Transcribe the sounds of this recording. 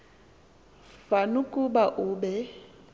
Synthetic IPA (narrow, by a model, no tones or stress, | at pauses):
fanʊkʼʊbaʔʊːbɛ